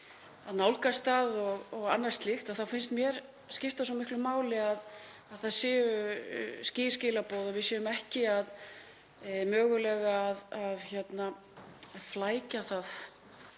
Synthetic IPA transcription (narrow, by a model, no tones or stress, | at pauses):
aðnaːwlkast̪θaðɔɣɔɣanːaɾst̪lɪxt̪aθawfɪnst̪mjɛɾ̥ | scɪft̪as̬ɔmɪhklʏmaːwlɪað | aðθaðsɪːʏscɪ̥ːscɪːlapowðɔvɪðsjɛːvʏmɛhcɪað | mœːɣʏlɛːɣaːðaðçɛt̪na | flaːjcaθað